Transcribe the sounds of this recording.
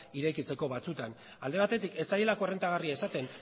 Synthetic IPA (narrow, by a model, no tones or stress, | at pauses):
iɾekit͡se̞ko̞βat͡sut̪an | ald̪e̞β̞at̪e̞t̪ike̞t͡sajelako̞re̞nt̪aɣ̞ariaesat̪e̞n